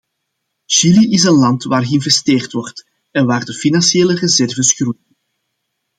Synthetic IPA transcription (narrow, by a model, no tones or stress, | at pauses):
ʃiliʔɪsənlɑntʋaːrɣəɪnvɛsteːrtʋɔrt | ɛnʋaːrdəfinɑnsjeːlərəzɛrvəsxrujən